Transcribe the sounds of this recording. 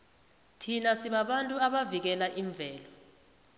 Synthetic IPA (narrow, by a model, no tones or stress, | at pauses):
tʰinasiɓaɓantʼuaɓavik̬ɛlaʔiɱb̪vʱɛːlɔ